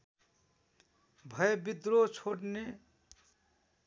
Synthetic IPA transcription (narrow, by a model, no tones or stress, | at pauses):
bʱʌebid̪ɾot͡sʰoʈne